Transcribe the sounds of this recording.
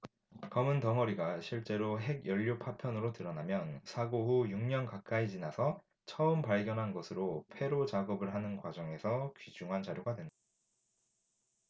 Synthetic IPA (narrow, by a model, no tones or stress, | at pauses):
kʌmɯntʌŋʌɾiɡaɕʰiɭt͡ɕ͈e̞ɾoɦe̞ɡjʌʎːopʰapʰjʌnɯɾotɯɾʌnamjʌnsʰaɡoɦujuŋɲʌnkak̚k͈aid͡ʑinasʰʌ | t͡ɕʰʌɯmpaɭɡjʌnɦanɡʌsʰɯɾopʰe̞ɾot͡ɕaɡʌbɯɭɦanɯnkwad͡ʑʌŋe̞sʰʌkɥid͡ʑuŋɦand͡ʑaɾjoɡadwe̞nda